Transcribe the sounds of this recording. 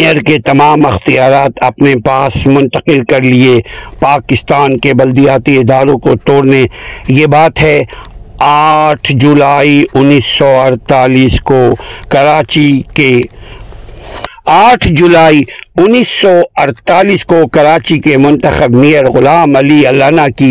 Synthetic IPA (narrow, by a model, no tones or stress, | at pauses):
əɾket̪ɐmaːmɪxt̪ijaːɾaːt̪ɐpnepaːsmʊ̃nt̪əqɪlkɐɾliepaːkɪst̪aːnkebɐld̪ijaːt̪iɪd̪aːɾõkot̪oːɾnejebaːt̪ɦɛ | aːʈʰd͡ʒulaːiʊnːiːsːɔɐɾt̪aːliːskokɐɾaːt͡ʃike | aːʈʰd͡ʒulaːiʊnːiːsːɔɐɾt̪aːliːskokɐɾaːt͡ʃikemʊ̃nt̪əxəbmiːəɾɣʊlaːmɐliɐlaːnaki